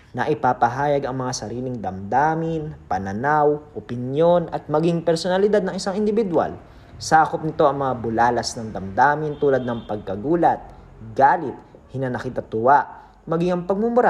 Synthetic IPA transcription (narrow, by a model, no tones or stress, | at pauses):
nɐʔɪpapɐɦaːjɐɡɐŋmɐŋasɐɾiːlɪŋd̪ɐmd̪aːmɪnpɐnɐnawʔopɪnjo̞nɐt̪̚mɐɡiŋpɛɾsonɐlɪd̪ad̪̚nɐŋɪsaŋɪnd̪ɪbɪd̪wa̰l | saːkop̚nɪt̪o̞ʔɐŋmɐŋabʊlaːlɐsnɐŋd̪ɐmd̪aːmɪnt̪uːlɐd̪nɐŋpɐɡ̚kɐɡuːlɐt̪̚ | ɡaːlɪt̪̚ | hɪnɐnɐkit̪ɐt̪ʊwaʔ | mɐɡɪŋɐŋpɐɡ̚mʊmʊɾa